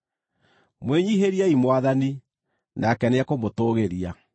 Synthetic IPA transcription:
mweɲiɦeɾiaimwaðani | nakɛneakomotoɣeɾia

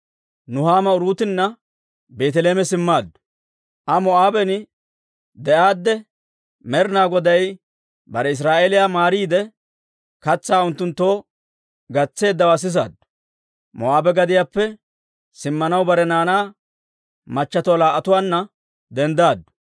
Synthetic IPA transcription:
nʊhaːmɐʊɾuːt̪ɪnːɐ | be̞ːt̪ɛleːmɛsɪmːaːd̪ːʊ̥ | ʔɐmɔaːbɛnɪ | d̪ɛʔaːd̪ːɛ | mɛɾnaːɡɔd̪ɐj | bɐɾɛɪs̬ɾaːʔeːlɪjaːmaːɾiːd̪ɛ | kɐt͡sːaːʊnt̪ːʊnt̪ːoː | ɡɐt͡sːe̞ːd̪ːɐwaːs̬ɪs̬a̰ːd̪ː | mɔ̰aːbɛɡɐd̪ɪjaːpːɛ | sɪmːɐnɐwbɐɾɛnaːnaː | mɐt͡ʃːɐt̪ɔlaːʔɐt̪ʊwaːnːɐ | d̪ɛnd̪aːd̪ːʊ̥

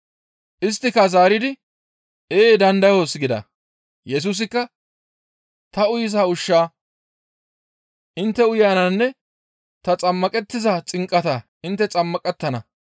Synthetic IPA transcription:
ʔɪs̬t̪ːɪkːɐzaːɾɪd̪ɪ | eːd̪ɐnd̪ɐjosɡɪd̪ɐ̰ | jɛs̬uːs̬ɪkːɐ | t̪ɐʊjɪs̬aːʊʃːaː | ʔɪnt̪ːɛʊjaːnɐnːɛ | t̪ɐt͡sʼɐmːɐkʼɛt̪ːɪzɐt͡sʼɪŋkʼːɐt̪a | ɪnt̪ːɛt͡sʼɐmːɐkʼɛt̪ːɐnɐ

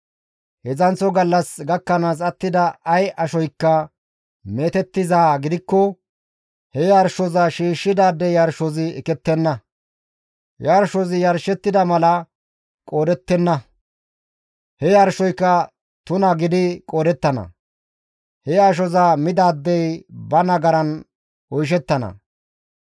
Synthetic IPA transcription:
hɛzɐnt͡sːɔɡɐlːɐsɡɐkːɐnaːs̬ɐt̪ːɪd̪ɐɐjʔɐʃɔjkːɐ | me̞ːt̪ɛt̪ːɪzaːɡɪd̪ɪkːɔ | hɛjɐɾʃɔzɐʃiːʃːɪd̪aːd̪ːɛjɐɾʃɔzɪɛkɛt̪ːɛnːɐ | jɐɾʃɔzɪjɐɾʃɛt̪ːɪd̪ɐmɐlɐ | kʼoːd̪ɛt̪ːɛnːɐ | hɛjɐɾʃɔjkːɐ | t̪ʊnɐɡɪd̪ɪkʼoːd̪ɛt̪ːɐnɐ̰ | hɛɐʃ̬ɔzɐmɪd̪aːd̪ːɛjbɐnɐɡɐɾɐn | ɔjʃ̬ɛt̪ːɐnɐ̰

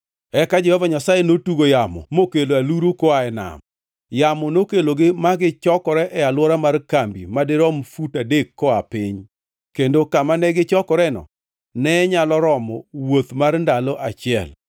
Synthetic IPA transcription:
ɛkad͡ʒɛhɔvaɲasajenotuɡojamɔ̰mokeloaluɾokoaɛna̰m | jamɔnokeloɡɪmaɡɪt͡ʃɔkɔɾɛʔɛalwɔɾamarkambimadɪɾɔmfutadekːɔapɪɲ | kendokamanɛɡɪt͡ʃɔkɔɾɛnɔ̰ | nɛɲalɔɾɔmɔwot̪marndalɔʔat͡ʃɪɛ̰l

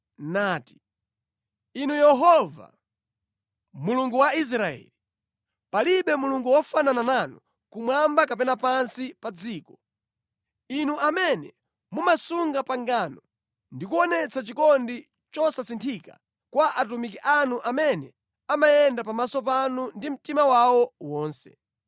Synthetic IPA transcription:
naːti̥ | inujɛɦɔva̰ | muluŋɡuwais̬ɾaɛ̰li | paliɓɛmuluŋɡuwɔfananananu | kumwambakapɛnapansipad͡ziːkɔ | inuʔamɛnɛ | mumasuŋɡapaŋɡanɔ | ndikuɔnɛt͡sat͡ʃikɔndi | t͡ʃɔsasintʰika̰ | kwaʔat̬umik̬iʔanuʔamɛnɛ | amajɛndapamasɔpanundim̩timawawɔwɔːnsɛ̰

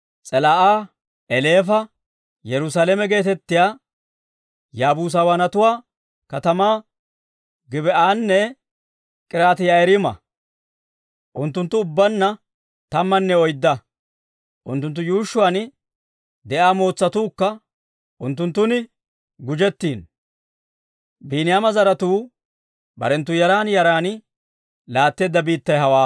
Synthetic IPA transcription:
t͡sʼɛlaːʔaː | ʔɛle̞ːfɐ | jɛɾʊsaːlɛmɛɡe̞ːt̪ɛt̪ːɪjaː | jaːbuːs̬awaːnɐt̪ʊwaː | kɐt̪ɐmaː | ɡɪbɛʔaːnːɛ | kʼɪɾaːt̪ɪjaɛɾɪmɐ̰ | ʔʊnt̪ːʊnt̪ːʊːbːɐnːɐ | t̪ɐmːɐnːɛɔjd̪ːɐ | ʔʊ̰nt̪ːʊnt̪ːʊjuːʃːʊwaːnɪ | d̪ɛʔaːmoːt͡sːɐt̪uːkːɐ | ʔʊnt̪ːʊnt̪ːʊnɪ | ɡʊd͡ʒɛt̪ːiːn | biːnɪjaːmɐzɐɾɐt̪uː | bɐ̰ɾɛnt̪ːʊjɐɾaːnjɐɾaːnɪ | laːt̪ːe̞ːd̪ːɐbiːt̪ːɐjɦɐwaː

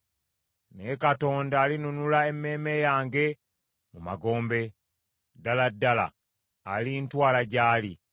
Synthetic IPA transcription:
nekato̞ːndaːlinunulae̞mːe̞ːme̞jaːŋɡe̞ | muma̰ɡo̞ːmbe̞ | daladːala̰ː | lintwaːlaɟaːli

